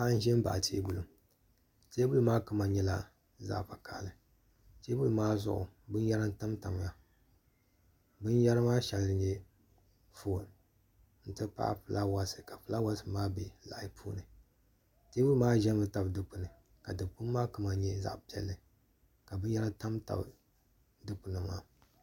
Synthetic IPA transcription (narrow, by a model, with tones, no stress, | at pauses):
a˦n̩˦ʒɛ˦m˦ba̰˨ʔtʰeː˦ɡu˦lu˨m | teː˦ɡu˦lu˦maː˦kɨ˦ma˨ɲɛ˦la̰˦ | za̰˦ʔpa˨kʰa̰ː˨lɨ˨ | teː˦ɡu˦lu˦maː˦zʊ̰˦ʔʊ̰˨bɨ˦n˦ja˦ɾɨ˦n˦ta˦mta˨m˨ja˨ | bɨ˦nja˦ɾɨ˦maː˦ʃa˨ldɨ˨ɲɛ˦ | fo˨l | n̩˦tɨ˦pa̰˦ʔpɨ˨la˦wa˦sɨ̥˨ka˨pɨ˦la˦wa˦sɨ˨maː˦be˨la̰˨ʔpʰuː˦nɨ˨ | teː˦bu˦lmaː˦ʒɛ˦mɨ˨ta˦bdɨ˦pu˨nɨ˨ | ka˨dɨ˨bpu˦mː˦aː˦kɨ˦ma˨˦ɲɛ˦za̰˦ʔpi˨ɛ̰˦lːɨ˨ | ka˨bɨ˦n˦ja˦ɾa˦n˦ta˦mta̰˨b | dɨ˦pu˨nɨ˨maː˦